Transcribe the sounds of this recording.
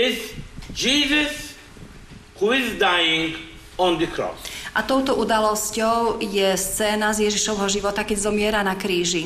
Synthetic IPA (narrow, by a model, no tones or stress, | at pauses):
ɪzd͡ʒiːzəs | huɪzd̪ajĩŋɡ | ɔ̃nd̪əkʰɾɔ̰sʔat̪ɔʊt̪ɔʔud̪alɔscɔʊjɛst͡sɛːnazjɛʒiʃɔʋɦɔʒiʋɔt̪akɛɟzɔmɪɛɾanakɾiːʒi